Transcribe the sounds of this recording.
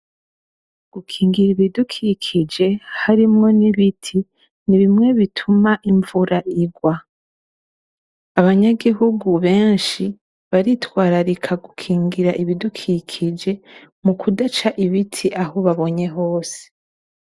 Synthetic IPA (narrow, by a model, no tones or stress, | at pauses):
ɡ̥ukʰiːŋɡiɾiβidukʰikʰid͡ʒe̞haɾimŋo̞niβitʰi | niβimŋe̞βitʰumaʔiɱvuɾaʔiɡwa | aβaɲaɡiɦuɡuβe̞ːnʃi | βaɾitwaːɾaɾikʰaɡukʰiːŋɡiɾaʔiβidukʰikʰid͡ʒe̞ | mukʰudat͡ʃaʔiβitʰiʔahoβaβo̞ɲe̞ɦo̞ːse̥